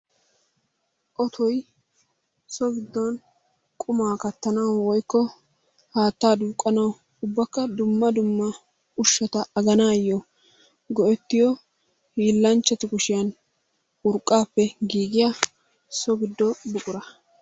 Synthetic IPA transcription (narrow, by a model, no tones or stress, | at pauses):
ʔɔt̪ʰɔj | sɔɡɪd̪ːɔn | kʼʊmaːkɐt̪ːɐnɐwwɔjkːɔ | haːt̪ːaːd̪uːkʼːɐnɐw | ʊbːɐkːɐd̪ʊmːɐd̪ʊmːɐ | ʊʃːɔt̪ɐɐɡɐnaːjːɔ | ɡɔʔɛt̪ːɪjɔ | hiːlːɐnt͡ʃːɛt̪ɪkʊʃɪjɐn | ʊɾkʼːaːpːɛɡiːɡɪja | sɔɡɪd̪ːɔbʊkʼʊɾɐ